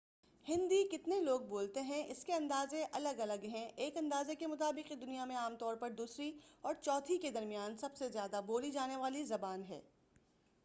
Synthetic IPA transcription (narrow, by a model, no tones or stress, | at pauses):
hɪ̃nd̪ikɪt̪neloːɡ̚boːlt̪eɦɛ̃ʔɪskeɐ̃nd̪aːzẽʔɐləɡɐləɡɦɛ̃ʔeːkɐ̃nd̪aːzekemʊt̪aːbɪqid̪ʊnijamẽaːmt̪ɔːɾpɐɾd̪uːsɾiɔːɾt͡ʃɔːt̪ʰiked̪ɐɾmijaːnsɐbsezjaːd̪aboːlid͡ʒaːneʋaːlizɐbaːnɦɛ̰ː